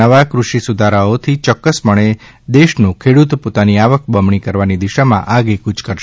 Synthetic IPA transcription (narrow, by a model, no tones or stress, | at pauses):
əʋakɾuʃisud̪ʱaɾaot̪ʰit͡ʃɔkːəsməɳ̃e | d̪eʃnũkʰeɽut̪pot̪aniaʋək̚bəmɳikəɾʋanid̪iʃamã̰ʔaɡekut͡ʃkəɾʃ